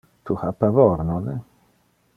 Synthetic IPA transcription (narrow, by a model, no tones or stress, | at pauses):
t̪ʰuhapavɔɾnɔnɛ